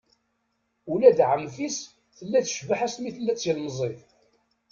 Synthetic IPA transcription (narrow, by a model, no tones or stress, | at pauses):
ulæd̪ʕəmfis | θəlːæθʃvaħæsmiθəlːæt͡sːjəlmzˤif